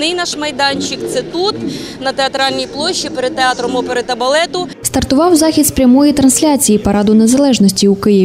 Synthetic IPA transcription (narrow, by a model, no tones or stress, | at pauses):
nɪjnɑʃmɐjd̪ɑnʲt͡ʃɪkt̪sɛt̪ut̪nɐt̪eɐt̪ɾɑlʲnʲijplˠɔʃːipeɾed̪̚t̪eɑt̪ɾɔmɔpeɾed̪t̪ːɐbɐlˠɛt̪ʊst̪ɐrt̪ʊʋɑwzɑxʲit̪spɾʲɐmɔjit̪ɾɐnsʲlʲat͡sʲijipɐɾɑd̪ʊnezɐlˠɛʒnɔsʲtʲiukɪjɛ